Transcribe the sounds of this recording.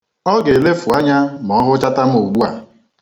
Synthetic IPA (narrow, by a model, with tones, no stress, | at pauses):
ɔ˦ɡe˨le˦fu˨a˦ɲa˦m˨ɔ˦ɦʊ˦t͡ʃa˦ta˦m̩˦o˨ɡ͡bu˦a˨